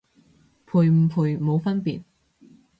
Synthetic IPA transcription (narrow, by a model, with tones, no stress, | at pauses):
pʰuː˨jm̩˨˩pʰuː˨˩jmo˨˧wfɐ˥npiː˨˩t̚